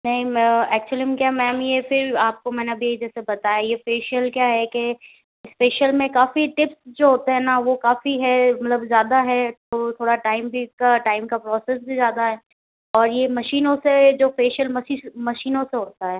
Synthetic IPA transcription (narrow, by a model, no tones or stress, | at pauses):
nɐɦĩəɛːk̚t͡ʃəlimkjamɛːmjefɪɾaːp̚komɛ̃ːnabʱiɐid͡ʒɛːsebɐt̪aːjajefeːʃəlkjaːɦɛke | ɪspeːʃəlmẽkaːfiʈɪpsd͡ʒoːɦoːt̪eɦɛ̃ːnaʋokaːfiɦɛmɐt̪ləbzjaːd̪aɦɛt̪ʰot̪ʰoːɽaʈaːɪmbʱikaʈaːɪmkapɾɔːsɛs̬bʱizjaːd̪aɦɛː | ɔːɾjemɐʃiːnõsed͡ʒoːfeːʃəlmɐiːmɐʃiːnõseɦʊɽt̪aɦɛː